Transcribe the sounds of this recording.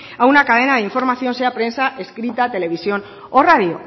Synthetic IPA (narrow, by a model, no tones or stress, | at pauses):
aunakað̞e̞nað̞eiɱfo̞ɾmaθjo̞nseapɾe̞nsaʔe̞skɾit̪at̪e̞le̞β̞isjo̞n | orað̞jo